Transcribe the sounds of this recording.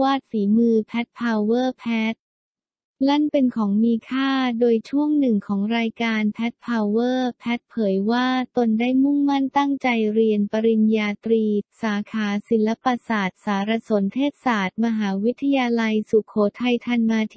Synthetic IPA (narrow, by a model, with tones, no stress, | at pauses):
waː˥˩t̪̚fiː˩˦mɯː˧pʰɛ˦˥t̪̚pʰaː˧wwɤː˥˩pʰɛː˦˥t̪̚ | la˥˩npe˧nkʰɔː˩˦ŋmiː˧kʰaː˥˩doː˧jt͡ɕʰu˥˩əŋnɯ˨˩ŋkʰɔː˩˦ŋɾaː˧jkaː˧npʰɛ˦˥t̪̚pʰaː˧wwɤː˥˩pʰɛ˦˥t̪̚pʰɤː˩˦jwaː˥˩t̪o˧ndaː˥˩jmu˥˩ŋma˥˩nt̪a˥˩ŋt͡ɕa˧jɾi˧ənpa˧ɾi˧njaː˧t̪ɾiː˧saː˩˦kʰaː˩˦si˩˦nla˦˥paː˧saː˨˩t̪̚saː˩˦ɾa˧so˩˦nt̪ʰeː˥˩t̪̚saː˨˩t̪̚ma˧ɦaː˩˦wi˦˥t̪ʰːa˧jaː˧la˧jsu˨˩kʰoː˩˦t̪ʰa˧jt̪ʰa˧nmaː˧t̪ʰ